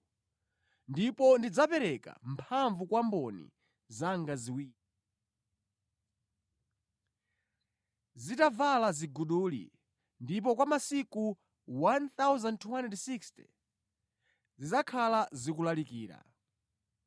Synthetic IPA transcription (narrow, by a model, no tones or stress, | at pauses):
ndipɔndid͡zapɛɾɛka̰mpʰaɱvukwambɔnḭ | zaŋɡaziwiːɾi | zitavalaziɡuɗuːlḭ | ndip̬ɔkwamasiku | wanθawzantʰwanɛdsikstɛ̰ | zizakʰalazikulalikiːɾa̰